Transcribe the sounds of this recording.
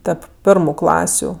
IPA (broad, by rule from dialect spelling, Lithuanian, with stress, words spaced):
ˈtʲɛp ˈpʲɪrmʊ ˈklˠɑːsʲʊ